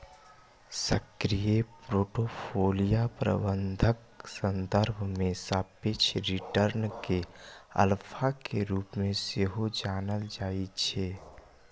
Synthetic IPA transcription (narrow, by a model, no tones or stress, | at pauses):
səkɾijepɾoːʈopʰoːlijapɾə̰bə̃nd̪ʱək̚ | sə̃nd̪əɾbʱmẽsaːpɪt͡ʃʰɾiʈəɾnkeə̰lpʰakeɾuːpmẽseɦod͡ʒaːnəld͡ʒaːit͡ʃʰeː